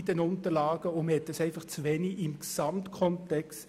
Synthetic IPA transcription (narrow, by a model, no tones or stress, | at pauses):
dənʊntəlɑːɡ̥əʊmhɛt̚ːəsɛɪfɑχt͡sʋɛniʔɪmksɑmtkʰɔntɛkst